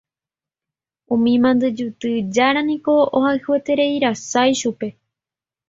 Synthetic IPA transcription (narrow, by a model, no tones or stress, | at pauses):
ũmĩmãnd̪ɨd͡ʒut̪ɨd͡ʒaɾãnĩko̞ohahɨe̞t̪e̞ɾe̞iɾasajʃupe̞